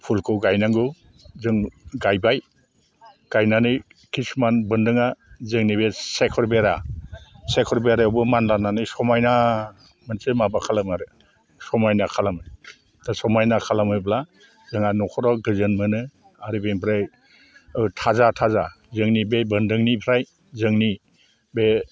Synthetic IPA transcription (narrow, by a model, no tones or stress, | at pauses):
pʰulkʰɯwɡajnaŋɡɯ | zɯŋɡajbaj | ɡ̥ajnanɯj | kʰismanbɯndɯŋazɯŋnibesekʰɔɾbeɾa | sekʰɔɾbeɾaɯwbɯmanlananɯjsɔmajna | mɯnsemabakʰalamaɾɯ | sɔmajnakʰalamɯj | dasɔmajnakʰalamɯjbla | zɯŋanɔkʰɔɾɔɡɯzɯnmɯnɯ | aɾibenpʰɾaj | ɯtʰazatʰaza | zɯŋnibebɯndɯŋnipʰɾaj | zɯŋni | be